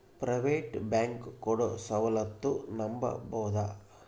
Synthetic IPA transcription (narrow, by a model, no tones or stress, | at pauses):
pɾɐʋeːʈbaːŋkkːoɽosɐʋɐlɐt̪ːunɐmbɐ̰bɔːd̪a